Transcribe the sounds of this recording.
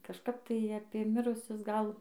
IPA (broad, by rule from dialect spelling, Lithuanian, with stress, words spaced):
kɐʃˈkɐp ˈtɐɪ ɐpʲeː ˈmʲɪrʊsʲʊs ˈɡɐlˠ